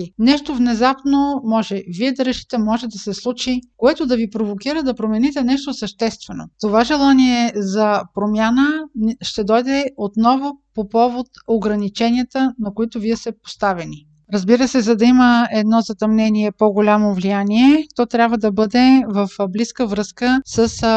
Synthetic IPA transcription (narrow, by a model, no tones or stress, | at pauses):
nɛʃt̪ovnɛzapnomɔʒɛviɛd̪ɐɾɛʃi̥t̪ɛmɔʒɛd̪ɐsɛslˠut͡ʃikoɛt̪ʊd̪ɐvipɾovokiɾəd̪ɐpɾomɛnit̪ɛnɛʃt̪osəʃt̪ɛst̪vɛno̰t̪ovaʒɛlˠaniɛzɐpɾomʲjanəʃt̪ɛd̪ɔjd̪ɛot̪nɔvopopɔvot̪oɡɾɐnit͡ʃɛnijət̪ənɐkoit̪ʊviɛst̪ɛpo̥st̪avɛni | ɾɐzbiɾəsɛzɐd̪ɐiməɛd̪nɔzɐt̪ɐmnɛniɛpoɡolʲamovlijaniɛt̪ɔt̪ɾʲabvəd̪ɐbɤd̪ɛvəfbliskəvɾɤskəsəs